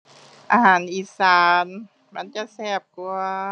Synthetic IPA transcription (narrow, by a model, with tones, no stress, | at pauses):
ʔa̰ː˧haː˨˦nʔiː˧˥saː˨˦n | ma˧˥nt͡ɕa˧˨sɛː˧˩p̚ku˧ɐ